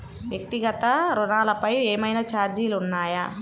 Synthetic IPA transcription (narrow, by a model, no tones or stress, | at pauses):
ʋjɐk̚t̪iɡɐt̪ɐɾunaːlɐpɐjɛːmɐjnɐt͡ʃaːɾd͡ʒiːlunːaːjɐ